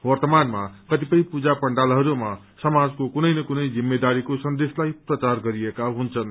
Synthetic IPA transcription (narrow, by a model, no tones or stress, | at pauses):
wʌrt̪ʌmanmakʌt̪ipʌjpud͡zapʌɳɖalɦʌɾuma | sʌmad͡zkokunʌjnʌkunʌjd͡zimːed̪aɾikosʌnd̪eslajprʌt͡sarɡʌɾiekaɦunt͡sʰʌn